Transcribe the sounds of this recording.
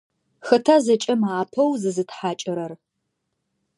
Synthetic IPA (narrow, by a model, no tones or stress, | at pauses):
xɨtʰazɐt͡ʃʼɐmaːpʰɐwzɨzɨtħaːt͡ʃʼɐɾɐr